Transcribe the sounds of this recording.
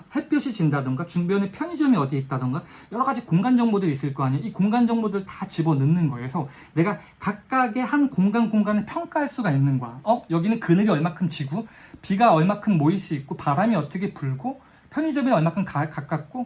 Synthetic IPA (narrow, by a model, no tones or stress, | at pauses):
he̞pʰjʌɕʰid͡ʑindadɯŋɡat͡ɕuŋbjʌnepʰjʌɲid͡ʑʌmiʌdeit̚t͈adɯŋɡajʌɾʌɡad͡ʑikoŋɡand͡ʑʌŋbodɯɾis͈ɯɭk͈ʌɦaɲoikoŋɡand͡ʑʌŋbodɯɭtḁt͡ɕibʌnɯnnɯnɡʌe̞sʰʌ | ne̞ɡa | kak̚k͈aɡe̞hankoŋɡanɡoŋɡanɯpʰjʌŋk͈aɦaɭs͈uɡainnːɯnɡoaʌjʌɡinɯnkɯnɯɾiʌɭmakʰɯnt͡ɕiɡupiɡaʌɭmakʰɯnmois͈uik̚k͈opaɾamiʌt͈ʌkʰe̞puɭɡo | pʰjʌɲid͡ʑʌmiɾʌɭmakʰɯnkakak͈ak̚k͈o